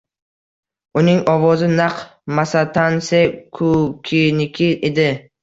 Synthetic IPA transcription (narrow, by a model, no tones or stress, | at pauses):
ʊnɪŋɒvɒzɪnaqmasat̪ʰansekʰʊkʲʰɪnɪkʲʰɪed̪ɪ